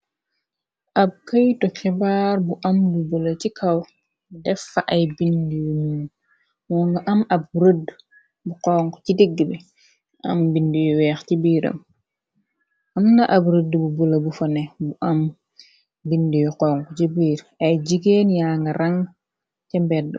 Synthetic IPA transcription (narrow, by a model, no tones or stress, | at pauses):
ʔɐb̚kɐjtɔkɛbaːɾbuʔɐmbubulɐcikʰɐw | dɛfːaʔɐjbindijumuː | wɔŋɡɐʔɐmɐb̚ɾəd | buqɔŋko̥cidiɡːəbɛ | ʔɐ̰mbindijɔwɛːxtibiːɾɐ̰m | ɐmnɐʔɐbɾədbubulɐbufɐnɛbuʔɐm | bindijɔqɔːŋkut͡ʃibiːɾ | ɐjd͡ʒiɡeːnjaŋɡɐɾɐŋ | tɛmbɛd